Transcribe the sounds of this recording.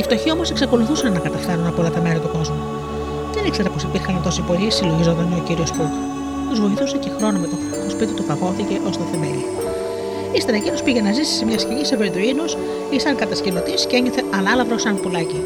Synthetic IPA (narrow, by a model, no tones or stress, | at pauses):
ift̪o̞çio̞mose̞ksɐko̞luθusɐnːɐkɐt̪ɐft̪ɐɾunɐpolɐt̪ɐmeɾɐt̪uko̞zmu | ðenikse̞ɾɐpo̞sipiɾxɐnt̪o̞sipo̞lisilo̞ʝizod̪ɐneociɾio̞spu | t̪uzvo̞iθuse̞ce̞xɾo̞nomet̪o | t̪ospit̪it̪ufɐɣo̞θiceʔo̞st̪oθeme̞̰lḭ | ist̪eɾɐecino̞spiʝenɐzisi̥semɲɐsciɲiseveɾid̪uinos | isɐŋkɐt̪ɐscelo̞t̪isceɲɡɐθe̞ʔɐnɐlɐvɾosɐnpulɐci